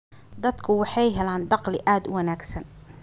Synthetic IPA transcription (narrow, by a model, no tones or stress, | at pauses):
d̪ɐd̪kʰʊwɑħɑjɦɛlaːnd̪ɑqlɪʔaːd̪ʊwɐnaːɡsɐn